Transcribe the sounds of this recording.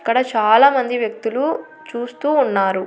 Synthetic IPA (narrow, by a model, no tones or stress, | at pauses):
kːɐɽɐt͡ʃaːlaːmɐnd̪iʋjɐk̚t̪ulu | t͡ʃuːst̪uːnːaːɾu